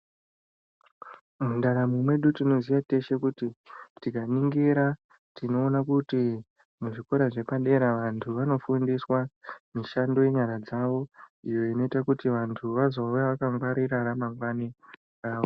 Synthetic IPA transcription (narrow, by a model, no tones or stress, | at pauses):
mundaɾamumwe̞ɗutino̞zijate̞ʃe̞kutitikaniŋɡiɾa | tino̞ːnakuti | muʐiko̞ɾaʐe̞paɗe̞ɾaʋantʰuʋano̞fundiswamiʃando̞je̞ɲaɾad͡zaʋo̞ijo̞ino̞itakutiʋantʰuʋazoujaʋakaŋɡwaɾiɾaɾamaŋɡwani | raːʋo